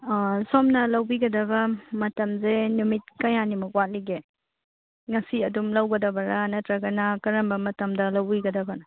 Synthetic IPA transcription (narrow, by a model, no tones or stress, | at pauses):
somnɐlɐwbiɡɐdɐbɐmɐtɐmzenumit̚kɐjanimɐkwat̚liɡe | ŋɐsiɐdumlɐwɡɐdɐbɐɾɐnɐtɾɐɡɐnɐkɐɾɐmbɐmɐtɐmdɐlɐwbiɡɐdɐbɐnɐ